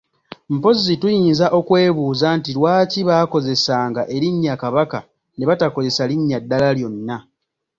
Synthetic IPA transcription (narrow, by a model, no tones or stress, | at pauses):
m̩po̞zitujiːnzaʔo̞kwe̞ːβuːzantilwaːciβaːko̞ze̞saːŋɡaʔe̞ɾiɲːakaβaka | ne̞βatako̞ze̞saliɲːadːalaljo̞nːa